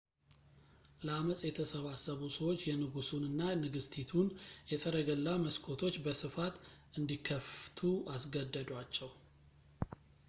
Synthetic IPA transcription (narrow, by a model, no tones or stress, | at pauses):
ləaməsʼjɛt̪ʰəsəβasːəβusəwot͡ʃːjɛnɨɡusunɨnːanɨɡɨst̪ʰit̪ʰunjɛsʼəɾəɡəlːaməskʰo̞t̪ʰo̞t͡ʃːbəsɨfat̪ | ɨnd̪ikʰːəft̪ʰuʔasɡəd̪ːəd̪wat͡ʃːɛw